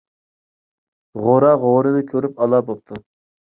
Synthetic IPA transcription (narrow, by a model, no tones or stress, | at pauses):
ʁoɾɑʁoɾɨnɨkʲʰøɾypɑlˠɑbop̚t̪ʰu